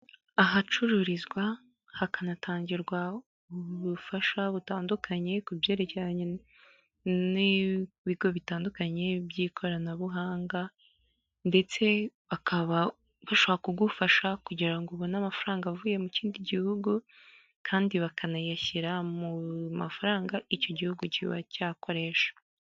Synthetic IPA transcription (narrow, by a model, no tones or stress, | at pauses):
aɦat͡ʃuɾuɾizɡwa | hakanatʰaːɲɟiɾɡwa | uβufaʃaβutaːndukʰaɲe̞kubje̞ːɾe̞ceɾaɲe | ni | βiɡo̞βitaːndukaɲe̞bjiːkʰo̞ɾanaβuɦaːŋɡa | nde̞t͡se̞βakʰaβa | βaʃoβakuɡufaʃakuɟiɾaŋɡoβonamafaɾaːŋɡavuːje̞muciːndiɟihuɡu | kʰaːndiβakʰanajaçiɾamumafaɾaːŋɡaico̞ɟihuɡuciβa̰caːko̞ɾe̞ʃḁ